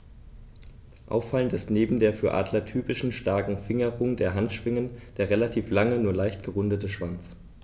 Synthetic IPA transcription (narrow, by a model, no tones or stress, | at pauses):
ʔa̰ʊfaləntɪstneːbm̩deːɐfyːɐʔa̰ːdlɐtʰyːpɪʃn̩ʃtaɐkŋ̩fɪŋəʁʊŋdeːɐɦantʃv̥ɪŋənd̥eːɐʁelatʰiːflaŋənuːɐlaɪçtɡ̥əʁʊndətəʃv̥ant͡s